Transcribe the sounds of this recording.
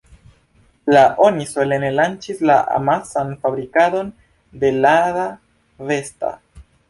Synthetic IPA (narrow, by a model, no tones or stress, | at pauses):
laʔo̞niso̞le̞ne̞lant͡ʃislaʔa̰masanfabɾikado̞n | de̞laɾa | ve̞sta̰